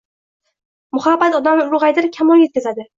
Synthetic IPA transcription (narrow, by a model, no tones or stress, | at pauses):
mʊhabːat̪ɒd̪amɪɾʁajd̪ɪɾkʲʰamɒljet̪̚kʲazad̪ɪ